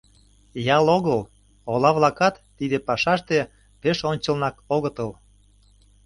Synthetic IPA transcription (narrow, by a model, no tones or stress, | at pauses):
jɑloɣəl | olɑβlɑkɑt̪ːid̪epɑʃɑʃt̪e | peʃonʲt͡ɕə̆lnɑkoɣət̪əl